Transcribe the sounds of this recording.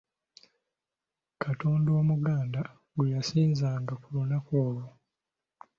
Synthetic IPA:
kʰatoːndoomuɡaːnda | ɡujasiːnzaːŋɡakulunakoːlo

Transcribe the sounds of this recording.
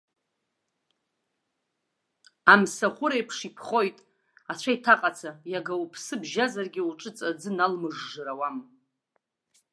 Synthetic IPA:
amsaχʷʊɾajpʰʂipʰχo̞jtʼ | at͡ɕʷʰaitʰaqʼat͡sʰajaɡawupʰsɨbʒazarɡʲiuʈ͡ʂʼɨt͡sʼad͡zɨnalmɨʐːɨɾawam

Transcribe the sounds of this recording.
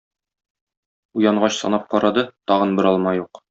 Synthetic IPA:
ujɑɴɢɑɕsɒ̰nɑp̚qɒɾɑd̪ɤt̪ɒʁɤnbɘ̆ɾɒlˠmɑjuq

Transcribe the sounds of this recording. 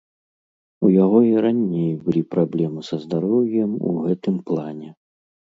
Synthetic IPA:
ujaɣɔiɾanʲejbɨlʲipɾablʲɛmɨsɐzd̪aɾɔwʲjɛmṵɣɛt̪ɨmplˠanʲɛ

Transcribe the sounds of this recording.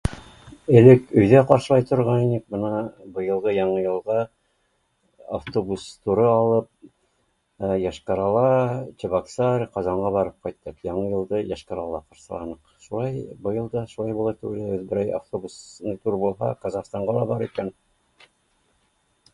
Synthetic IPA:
ɘ̆lɘkɵ̆jðæqɑɾʃɤ̆lˠɑjt̪ʰŏɾʁɑninɘk̚bɤnɑbɤ̆jɤ̆lˠʁɤjɑɴɤjɤ̆lˠʁɑ | aft̪obust̪uɾɤɑlˠɤp̚ | jɑʃqɑɾɑlˠɑt͡ɕɪβɑksɑɾqɑzɑɴʁɑβɑɾɤp̚qɑjt̪ːɤqjɑɴɤjɤ̆lˠd̪ɤjɑʃqɑɾɑlˠɑqɑɾʃɤ̆lˠɑ̰nɤqʃulˠɑjbɤ̆jɤ̆lˠd̪ɑʃulˠɑjbulˠɑt̪ʉɡɘ̆læʉðbɘ̆ɾæja̰ft̪obusnɤt̪uɾbulˠɦɑ̰qɑzɑχst̪ɑɴʁɑlˠɑbɑɾikæn

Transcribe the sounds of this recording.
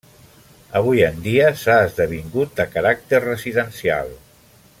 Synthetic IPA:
əβ̞ujənd̪iəsaːzðəβ̞iŋɡut̪̚d̪əkəɾak̚t̪errəziðənsia̰lˠ

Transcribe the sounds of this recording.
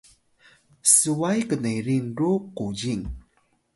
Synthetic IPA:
suwajkənəɾinruquɟiŋ

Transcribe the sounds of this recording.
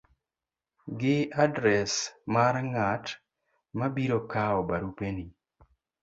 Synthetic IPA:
ɡɪadɾɛsmaɾŋat | mabiɾokaɔbaɾupeni

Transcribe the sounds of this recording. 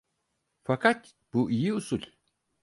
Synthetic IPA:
fakʰat̪ | b̥uʔijiusulʲ

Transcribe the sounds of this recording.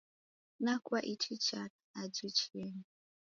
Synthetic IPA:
nakwaʔit͡ʃʰit͡ʃat | ad͡ʒit͡ʃien

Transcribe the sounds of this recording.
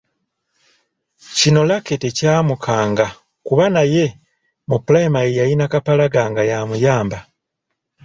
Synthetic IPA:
cino̞laketecaːmukʰaːŋɡa | kuβanaje̞ | muplaimaejajinakapalaɡaːŋɡajamujaːmba

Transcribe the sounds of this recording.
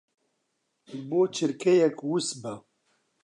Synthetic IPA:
ʒboːt͡ʃʰɨɾkʰɛjɛkwusbɛ

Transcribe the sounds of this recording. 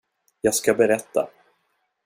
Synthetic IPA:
jɑːɡskabɛɾɛt̪ːa̰

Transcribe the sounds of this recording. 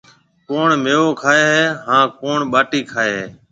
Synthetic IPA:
koːɳmeːʋoːkʰaːeːɦeːɦãːkoːɳɓaːʈiːkʰaːeːɦeː

